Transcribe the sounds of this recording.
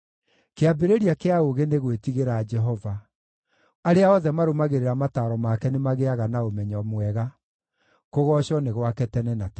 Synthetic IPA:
keabeɾeɾiakeaoɣeneɣwetiɣeɾad͡ʒɛɦɔva | aɾeaɔðɛmaɾomaɣeɾeɾamataɾɔmakɛnemaɣeaɣanaomɛɲɔmwɛɣa | koɣɔʃɔneɣwakɛtɛnɛnat

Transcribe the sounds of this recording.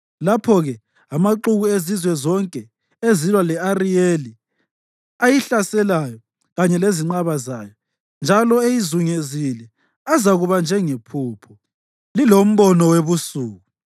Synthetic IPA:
lapʰɔɣɛ | amaǃuɣuezizwɛzɔŋkʼɛ | ezilwalɛarieli | ajiɬasɛlajɔ | ɣaɲɛleziŋ͡ǃaβaza̰ːjɔ | nd͡ʒʱalɔejizuŋezilɛ | azaɣuβand͡ʒʱɛŋepʰuːpʰɔ | lilom̩βɔnɔweβusuːɣu

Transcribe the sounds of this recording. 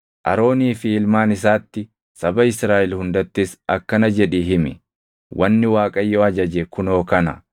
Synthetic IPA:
ʔɐɾo̞ːniːfɪːlmaːnɪsaːt̪ːɪ | sɐbɐɪsɾaːʔɛlhʊnd̪ɐt̪ːɪsɐkːɐnɐd͡ʒɛᶑiːɦɪmɪ | wʔɐnːɪwaːkʼɐjːoːɐd͡ʒɐd͡ʒɛkʊno̞ːkɐnɐ

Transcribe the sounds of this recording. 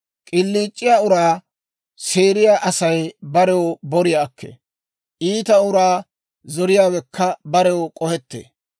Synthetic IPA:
kʼɪlːiːt͡ʃʼːɪjaːʊɾaː | seːɾɪjaːʔɐsɐjbɐɾɛwbɔɾɪjaɐkʰːḛː | ʔiːt̪ɐʊɾaː | zɔɾɪjaːwɛkʰːɐbɐɾɛwʊkʼɔhɛt̪ːḛː

